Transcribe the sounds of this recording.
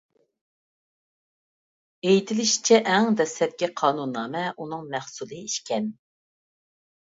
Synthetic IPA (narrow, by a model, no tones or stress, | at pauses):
ejt̪ʰɪlɪʃi̥t͡ʃʰɛʔɛŋd̪ɛsɛp̪̚kʲɛqʰɑːnunːɑːmɛʔunɨŋmæχsulˠɨiʃkʲɛn